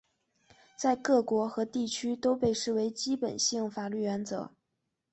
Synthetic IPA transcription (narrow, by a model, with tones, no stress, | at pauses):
t͡sa˥˧ɪkɤ˥˩kwɔ˧˥xɤ˧˥t̪i˥˩t͡ɕʰy˥t̪o˥ʊpe˥˧ɪʂɻ̩˥˩we˧˥ɪt͡ɕi˥pə˨˩nɕi˥˩ŋfa˨˩ly˥˩ɥɛ˧˥nt͡sɤ̰˧˥